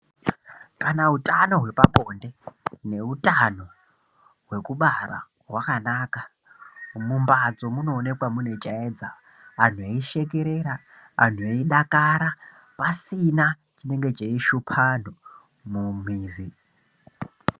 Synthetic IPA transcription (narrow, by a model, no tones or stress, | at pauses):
kanautʼano̞ɦwe̞paɓo̞nde̞ne̞utano̞ | ɦwe̞kuɓara̰ | ɦwakanaːka | mumbad͡zo̞muno̞ːne̞kwamune̞t͡ʃaeːd͡za | an̤ueiʃe̞k̬e̞ɾe̞ːɾa | a̰n̤ueiɗakaɾa | pasina | t͡ʃine̞ŋɡe̞t͡ʃeiʃupʰan̤o | mum̤iːzi